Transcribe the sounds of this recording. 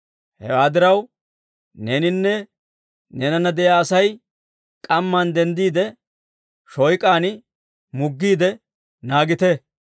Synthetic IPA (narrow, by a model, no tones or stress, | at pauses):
hɛ̰waːd̪ɪɾɐw | neːnɪnːɛ | nɛnɐnɐd̪ɛjaːɐsɐj | kʼɐmːand̪ɛnd̪iːd̪ɛ | ʃɔjkʼaːnɪ | mʊɡːiːd̪ɛ | naːɡɪt̪ɛ